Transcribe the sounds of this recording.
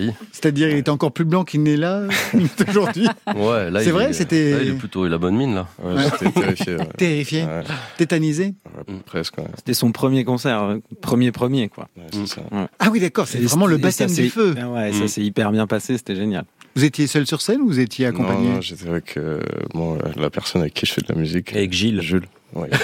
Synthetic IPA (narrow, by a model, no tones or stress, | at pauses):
ise̥t̪ad̪iʁilet̪ɛɑ̃kɔʁplyblɑ̃kilnɛlat̪oʒuʁd̪ɥiwwɛlaɛvʁɛset̪ɛilɛplyt̪olabɔnminlawɛ̰wet̪ɛt̪eifjḛɛ̰t̪eʁifjeɛ̰t̪et̪anizewɛ̰pχɛskwɛ̰se̥t̪ɛsɔ̃pχəmjekɔ̃sɛʁøpχəmjepχəmjekwa̰wɛsɛsa̰awid̪akɔʁset̪ɛʁɛmɑ̃ləbasɛadɛføwɛsasɛipɛʁbjɛ̃pasese̥t̪ɛʒenjalvuzet̪jesœlsyʁsɛnuvuzɛt̪jeankɔ̃pãnɲẽʒet̪ɛavɛkʰø̰mwa̰la̰pɛʁsɔnavɛkʲːiʒəfɛd̪la̰myzikavɛkʒilʒyl | wɛ̰